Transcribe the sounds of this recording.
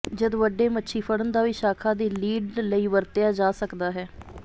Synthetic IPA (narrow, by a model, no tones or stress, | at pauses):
d͡ʒəd̪ʋəɖːeːmətːʃʰiːpʰəɽənd̪aːʋiːʃaːkʰaːd̪iːliːɖləiːʋəɾt̪ɪjaːd͡ʒaːsəkd̪aːɦɛː